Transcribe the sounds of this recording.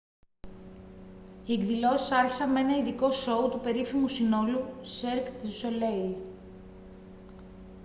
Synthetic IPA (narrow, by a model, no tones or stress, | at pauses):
ieɡðilo̞si̥sɐɾçi̥sɐnmee̞nɐiðiko̞so̞ut̪upe̞ɾifimusino̞luseɾkt̪solei